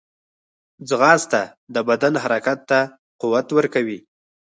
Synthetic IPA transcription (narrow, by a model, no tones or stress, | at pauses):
d͡zɣɑst̪ad̪əbad̪anɦaɾakat̪ːa | quwat̪wəɾkawi